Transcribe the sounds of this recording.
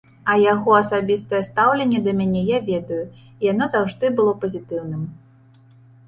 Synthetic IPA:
ɐjaɣɔɐsabʲist̪ɐjɛst̪awlʲenʲːɛd̪ɐmʲanʲɛjavʲɛd̪ɐju | ijanɔzawʐd̪ɨbɨlˠɔpɐzʲit̪ɨwnɨm

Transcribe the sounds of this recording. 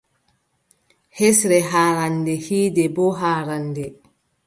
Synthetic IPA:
hɛsɾɛɦaːɾandɛhiːdɛbɔɦaːɾandɛ

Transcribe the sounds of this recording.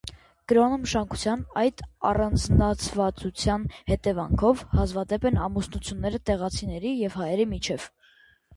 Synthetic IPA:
ɡ̥əɾɑnəməʃɑŋkʰu̥t͡sʰjɑnɑjt̪ɑ̰rɑnd͡znɑt͡sʰvɑt͡sut͡sʰjɑnhɛt̪ɛvɑ̰ŋkʰɔvhɑzvɑd̪ɛpɛnɑmusnut͡sʰjunːɛɾət̪ɛʁɑt͡sʰinɛɾijɛvhɑjɛɾimit͡ʃʰɛv̥

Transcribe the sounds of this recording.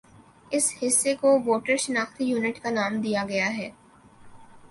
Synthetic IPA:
ɪshɪsːekoʋoːʈəɾʃɐnaːxt̪ijuːnɪʈkanaːmd̪ijaɡɐjaɦɛː

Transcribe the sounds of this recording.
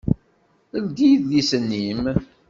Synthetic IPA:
əlɡ̪ijðlisənːim

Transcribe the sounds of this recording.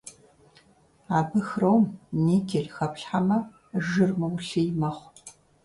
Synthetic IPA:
aːbɨxrowmniːɡʰʲeɮxɐpɬħamɐ | ʒɨrmɨwɬijmɐχʷ

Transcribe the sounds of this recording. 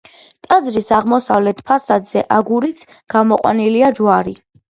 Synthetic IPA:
t̪ʼad̪zɾisaʁmɔsavlɛt̪ʰpʰasad̪zɛʔaɡuɾit̪sʰ | ɡ̥amɔqʼwa̰niliad͡ʒwaɾi

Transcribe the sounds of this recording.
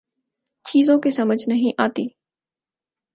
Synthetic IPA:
t͡ɕiːzõkesɐməd͡ʒʱnɐɦĩʔaːt̪iː

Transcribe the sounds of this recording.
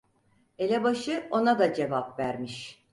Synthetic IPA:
elʲɛbaʃɯo̞nad̪ad͡ʒe̞vapvæɾmiʃ

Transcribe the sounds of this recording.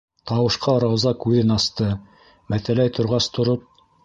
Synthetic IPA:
t̪ɑwɤ̆ʃqʰɑɾɑwzɑkʉðɘnɑst̪ɤ | mæθælæjt̪ʰŏɾʁɑst̪ʰŏɾop̚

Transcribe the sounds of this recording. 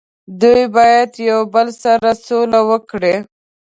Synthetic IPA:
d̪ujbɑjad̪jawbəlsaɾasolawəkɽe

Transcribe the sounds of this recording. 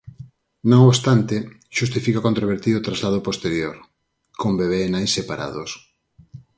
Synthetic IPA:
nõŋoβst̪ant̪e | ʃust̪ifikakont̪ɾoβeɾt̪iɾot̪ɾazlað̞opost̪eɾjoɾ | kʰombeβ̞eːnajsepaɾa̰ðo̰s

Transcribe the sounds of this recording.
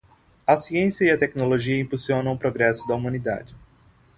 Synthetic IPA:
ɐsiẽsjɐiɐt̪ɛknoloʒiɐĩmpusiõnɐ̃w̃ʊpɾoɡɾɛsʊd̪ɐumɐ̃nid̪a̰d͡ʒɪ

